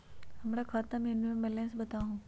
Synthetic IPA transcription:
hɐmɾakʰaːt̪amẽʊnmẽmɛlẽːsbɐt̪aːɦũː

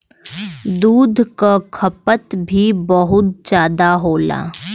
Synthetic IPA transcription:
d̪uːd̪ʱkakʰɐpət̪bʱibəɦʊt̪̚d͡ʒaːd̪aɦoːla̰ː

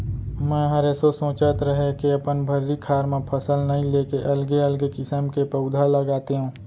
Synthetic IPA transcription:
mɛ̃ːɦəɾesosõːt͡ʃət̪ɾəɦekeəpənbʱəɾːikʰaːɾmẽpʰəsəlnəĩleːkeʔəlɡeəlɡekɪsəmkepəʊd̪ʱaləɡaːt̪eɦũː

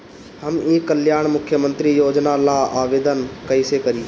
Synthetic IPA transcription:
həmĩːkəljaːɳ̃mʊkʰjəmə̃nt̪ɾijoːd͡ʒnalaːaːʋeːd̪ənkəisekəɾiː

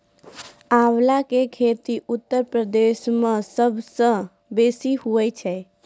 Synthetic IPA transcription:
awlakekʰet̪iʔut̪ːəɾpɾəd̪esmẽsəbʱsə̃ | besiɦuɛt͡ʃʰɛ

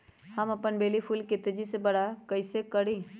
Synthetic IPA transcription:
hɐmɐpənbeːlipʰuːlkɪt̪d͡ʒisebɐɽakɐɪsekəɽĩ

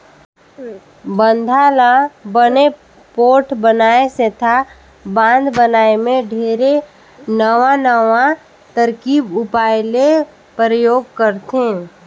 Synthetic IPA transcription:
bə̃nd̪ʱaːlabəne | poːʈbənaːeset̪ʰa | bãːnd̪bənaːemẽɖʱeːɾe | nəʋãnəʋã | t̪əɾkiːbʊpaːɪle | pɾəjoːɡkəɾt̪ẽː

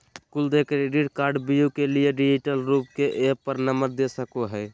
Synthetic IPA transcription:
kuld̪ekɾeɖiʈkaːɾɖbijukelieɖid͡ʒiʈəlɾup̚keʔepəɾnəməɾd̪esəkoɦɛː

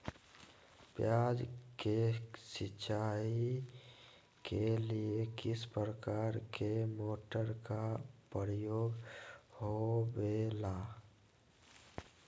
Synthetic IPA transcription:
pjaːd͡ʒkesɪt͡ʃʰai | keliekɪspɾəkaːɾkʰemoːʈəɾkapəɾjoːɡhobela

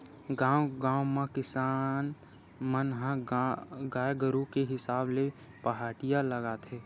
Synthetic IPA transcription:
ɡaːwɡãːwmãkɪsaːn | mənɦã | ɡaːjɡəɾukeɦɪsaːble | pəɦaːʈijaləɡaːt̪ɦɛː

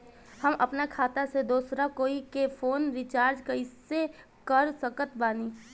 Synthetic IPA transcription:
hɐmʔɐpnakʰaːt̪ased̪oːsɾakoːikefʰoːnɾɪt͡ʃaːɾd͡ʒkaɪsːe | kɐɾsəkət̪baːniː

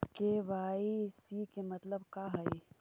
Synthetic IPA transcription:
keʋaːisikemɐt̪ləbkaɦɐi

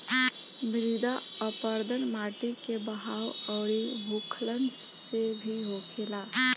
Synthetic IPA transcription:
bʱɾid̪aəpəɾd̪ənmaʈikebəɦawəʊɾibʱukʰlənsebʱiɦokʰela

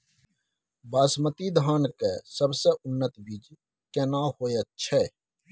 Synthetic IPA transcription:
baːsmət̪id̪ʱaːnkesəbseʊnːət̪bid͡ʒ | kenaːhoːjət̪̚t͡ʃʰɛː

